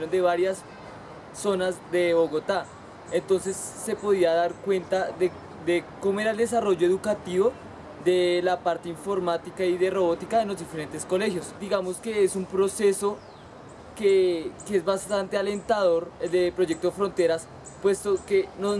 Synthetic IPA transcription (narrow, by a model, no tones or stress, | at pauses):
ond̪e̞βaɾjasː | o̞nazd̪e̞βo̞ɣo̞t̪a | ent̪o̞ns̬e̞sːe̞po̞ðiaðaɾkwe̞nt̪aðe | d̪ekomoe̞ɾaeld̪e̞s̬aro̞ʝoe̞ðukat̪iβo̞ | ðe̞lapaɾt̪eiɱfo̞ɾmat̪ikaiðe̞ro̞βo̞t̪ikaðenlo̞zd̪ife̞ɾe̞nt̪e̞sko̞le̞xjosd̪iɣamoske̞esumpɾo̞se̞so̞ | kekeezbast̪ant̪e̞ale̞nt̪aðo̞ɾeld̪epɾo̞ʝe̞k̚t̪oefɾo̞nt̪e̞ɾas | pwe̞st̪oke̞no